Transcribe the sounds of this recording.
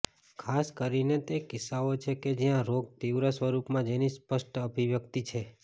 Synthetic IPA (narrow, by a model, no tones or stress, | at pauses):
kʰaskəɾinet̪ekɪsaot͡ʃʰeked͡ʒijãɾoɡ̚t̪iwɾasʋəɾupmãd͡ʒenispəʃʈəbʱiʋjək̚t̪it͡ʃʰe